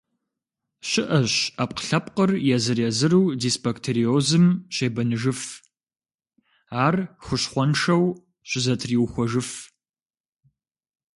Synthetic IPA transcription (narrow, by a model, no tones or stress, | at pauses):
ɕɪʔɐɕaːpqɬɐpqərjɛzɨrjɛzɨɾɨwdisbɐktʰeɾioːzɨmɕeːbɐnɨʒɨf | aːrxʷʊɕχʷɔnʂɐw | ɕɪzɐtʰriwxʷɔʒɨf